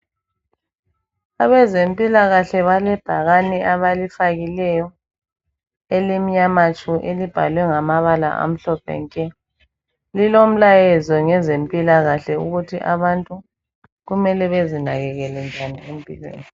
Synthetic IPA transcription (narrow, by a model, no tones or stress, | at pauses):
aβɛzempʼilaɣaɬɛβalɛb̥ʱaɣaniʔaβalifaɣilɛjɔ | elimiɲamat͡ʃʼuʔelib̥ʱa̰lwɛŋamaβala̰ʔa̰m̩ɬɔpʰɛ̰ŋkʼɛ | lilom̩lajɛzɔŋɛzempʼilaɣaɬɛuɣutʰiʔaβantʼu | ɣumɛlɛβezinaɣɛɣɛlɛnd͡ʒʱaniem̩pʼilwḛːni